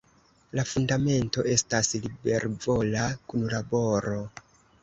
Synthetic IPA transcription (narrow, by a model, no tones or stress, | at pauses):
lafundame̞nto̞ʔe̞staslibe̞ɾvo̞lakunlabo̞ɾo̞